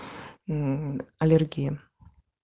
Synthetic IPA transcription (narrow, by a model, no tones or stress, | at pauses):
ɐlʲerɡʲijə